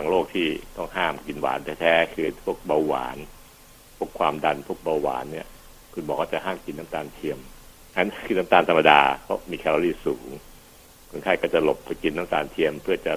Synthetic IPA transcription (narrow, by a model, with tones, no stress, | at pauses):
wa˨˧˩ŋloː˥˩k̚t̪ʰiː˥˩t̪ɔ˥˩ŋɦaː˥˩mki˧nwa̰ː˩˦nt̪ʰɛː˧˥t̪ʰɛː˦˥kʰɯː˧pʰu˥˩ək̚ba˧wwa̰ː˩˦n | pʰu˥˩əkʰwaː˧mda˧npʰu˥˩ək̚ba˧wwa̰ː˩˦nːi˥˩ɐ | kʰu˧nmbɔː˨˦kwaː˥˩t͡ɕa˨˩ɦaː˥˩mki˧nːaː˦˥mt̪aː˧nt̪ʰi˧əm | a˦˥nki˧naː˦˥mt̪aː˧nt̪ʰa˧mːa˧daː˧pʰɔ˦˥miː˧kʰɛ˧lo˧˦liː˥˩suː˩˦ŋ | kʰo˧nkʰaː˥˩jkɔ˥˩t͡ɕa˨˩lo˨˩pːa˧ki˧nːaː˦˥mt̪aː˧nt̪ʰi˧əmpʰɯ˥˩ət͡ɕa˨˩